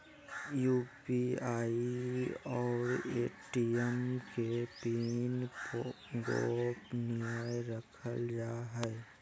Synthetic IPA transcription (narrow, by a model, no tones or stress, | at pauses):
juːpiaːiɔːɾeːʈiɛmkepinp | ɡoːpnɪajɾəkʰəld͡ʒaːɦɛ